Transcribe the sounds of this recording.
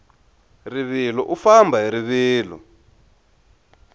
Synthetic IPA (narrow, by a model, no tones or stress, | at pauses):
riβilɔʔufambʱaɦiɾiβiːlɔ̰